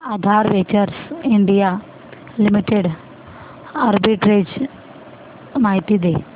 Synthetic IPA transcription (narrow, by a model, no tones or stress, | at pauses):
ad̪ʱaːɾʋet͡ɕɐɾsiɳɖija | limiʈːeɖ | ɐɾbiʈɾed͡ʑ | majt̪id̪e